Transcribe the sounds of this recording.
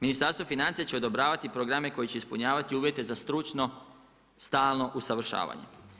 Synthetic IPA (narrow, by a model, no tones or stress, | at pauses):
minist̪aɾst̪ʋo̞finant̪sijat͡ɕe̞o̞d̪o̞bɾaːʋat̪ipɾoɡɾame̞ko̞jit͡ɕe̞ispuɲaːʋat̪iuːʋje̞t̪e̞zast̪ɾut͡ʃno̞ | st̪aːlˠno̞ʔusaʋr̩ʃa̰ːʋa̰ɲḛ